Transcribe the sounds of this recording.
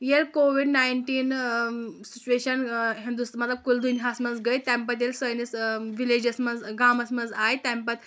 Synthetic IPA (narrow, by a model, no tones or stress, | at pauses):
jelkoʋiɖnajɳʈiːn | sit͡ɕueɕənɦĩnd̪ust̪mət̪lab̚kuld̪unjasməd͡zɡəjt̪ãmpət̪elsəjnisʋiled͡ʑəsməd͡zɡaməsməd͡zajt̪ampət̪